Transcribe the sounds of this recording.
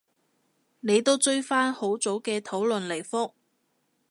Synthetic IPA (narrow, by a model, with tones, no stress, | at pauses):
ne˨˧jt̪o˥wt͡ʃɵ˥ɥfaː˥nho˨˥wt͡so˨˥wkɛː˧t̪ʰo˨˥wlɵ˨nle˨˩jfʊ˥k̚